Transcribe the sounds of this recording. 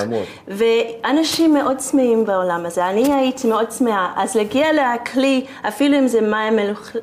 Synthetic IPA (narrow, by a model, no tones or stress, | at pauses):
veanaʃimːeʔo̞dt͡smeimbaolamazeaniaitʰimeo̞dsmeaʔazlaɡialeakʰli | afiluimzemaimːeluχ